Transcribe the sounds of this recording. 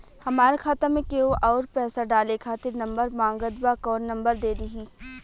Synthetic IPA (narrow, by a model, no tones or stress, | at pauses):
hɐmaːɾekʰaːt̪amẽkeoʔɔːɾpɛːsaɖaːlekʰaːt̪ɪɾnɐ̃mbəɾmãːŋɡəd̪bakɔːnːɐ̃mbəɾd̪eːd̪iɦiː